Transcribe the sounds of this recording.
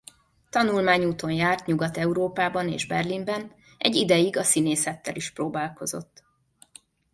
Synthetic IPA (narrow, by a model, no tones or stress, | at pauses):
t̪ɒnulmaːɲuːt̪o̞njaːrt̪ɲuɡɒt̪ɛuɾoːpaːbɒnḛːʒbɛrlimbɛn | ɛ̰ɟːid̪ɛjiɡɒsineːsɛt̪ːɛ̰liʃpɾoːbaːlko̞zo̞̰t̪ː